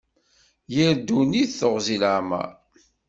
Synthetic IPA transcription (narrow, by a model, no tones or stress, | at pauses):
jəɾd̪uniθθəʁzilʕmæ̰